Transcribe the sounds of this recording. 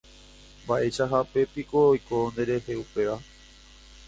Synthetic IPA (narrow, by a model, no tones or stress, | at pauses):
baʔe̞ʃaɦape̞piko̞ːjkond̪eɾe̞ɦe̞upe̞ʋa